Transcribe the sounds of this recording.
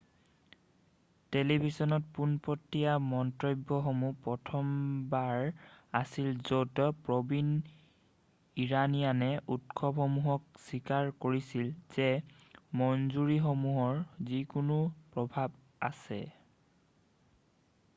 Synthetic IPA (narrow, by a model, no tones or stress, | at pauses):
telibʱisɔnɔt̚punpɔtːijamɔntɹɔjbːɔxomupɹɔtʰɔmbaɹasilzotɔpɹɔbin | iɹanijanɛʔutkʰɔbhɔmuɦɔk̚sikaɹkoɹisilz̥ɛ | mɔnzuɹixomuɦɔɹzikunupɹɔbʱab | a̰sɛ̰